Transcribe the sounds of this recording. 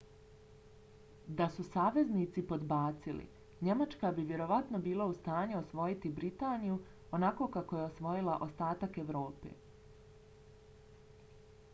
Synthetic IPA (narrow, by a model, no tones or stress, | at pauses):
d̪asusaːʋe̞zniːt̪sipo̞d̪baːt̪silḭ | ɲe̞mat͡ʃkabiʋje̞ɾo̞ʋat̪nobiːlˠaust̪aːɲuo̞sʋo̞jit̪ibɾit̪aːniju | o̞nako̞kako̞je̞o̞sʋo̞jilˠaʔo̞st̪aːt̪ake̞ʋɾo̞ːpḛː